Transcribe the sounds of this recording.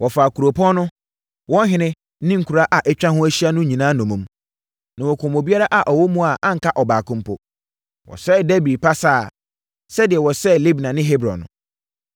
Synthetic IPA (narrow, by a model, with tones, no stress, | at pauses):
wɔ˨faː˨kʰu˨ɾo˨pʰɔ̃˦nʊ̃˦ | wɔ̃˦n˦ɦɪ̃˦nɪ̃˦ | nɪ̃˦ŋ̩˨kʰu˨ɾa˦ʔa˨ʔɛ˦t͡ɕᶣã˦hʊ̃˦æ˦ɕi˦a˦nʊ̃˦ɲĩ˨nãː˦nɔ̃˨mũ˨m | nã˨wɔ˨kʰʊ̃˨mo˨bi˦a˦ɾa˦ʔa˨ʔɔ˨wɔ˦mũ˦a˨ʔã˦ŋ̩˨kʰa˦ʔɔ˨baː˨kʰʊ̃˦mpʰʊ̰˦ | wɔ̰˨sɛ˦˨dɛ˦bi˨pʰa˦sa˦˨ | sɛ˦dɪ˨ɛ˨wɔ˨sɛ˦˨li˦bnã˨nɪ̃˦ɦe˦bɾɔ̰̃˨nʊ̰̃˨